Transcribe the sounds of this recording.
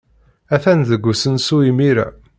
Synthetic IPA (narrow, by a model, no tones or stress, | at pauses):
æθænðəɡʷːusənsuimiɾæ̰